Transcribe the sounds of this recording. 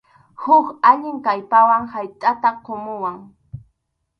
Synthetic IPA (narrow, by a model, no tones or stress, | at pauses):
hʊkaʎɪŋkajpawaŋhajt̪ʼat̪aqomʊwaŋ